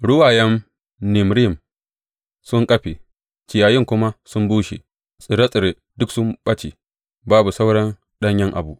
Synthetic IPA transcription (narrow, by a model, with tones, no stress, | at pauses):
ɽʊ˦waː˨jɛ˦m | nɪ˨mɾɪ˦˨m | sʊ˦ŋkʼɐ˦ɸe˨ | t͡ʃɪ˨jaː˨jɪ˦˨ŋkʷʊ˦ma˦sʊ˦mbuː˦ʃḛ˨ | sɪ˨ɾɐ˦sʼɪ˨ɾe˨ | dʊ˦ksʊ˦mɓɐ˦t͡ʃḛ˨ | baː˦bu˨sa˦wɽɐ˦n | ɗɐ˦ɲjɐ˦ŋʔa̰˨bu˨ʔ